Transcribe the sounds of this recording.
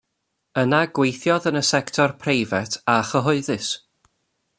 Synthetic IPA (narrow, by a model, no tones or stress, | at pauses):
ənaɡwejθjɔðənəsɛktʰɔrpʰrejvɛtʰaχəɦʊɨðɨs